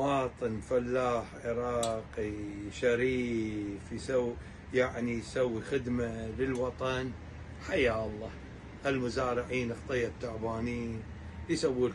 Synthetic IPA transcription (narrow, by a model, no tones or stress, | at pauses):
wɑːt̪ˤɨnfalːaːħʕɪɾɑːqiʃaɾiːfjsawː | jaʕnijsawːixɪd̪malɪlwɑt̪ˤɑn | ħajaːʔlˤːɑː | ʔɪlmʊzaːɾɪʕiːnʔɑxt̪ˤɨjːat̪ːʊʕbaːniːn | jsawːi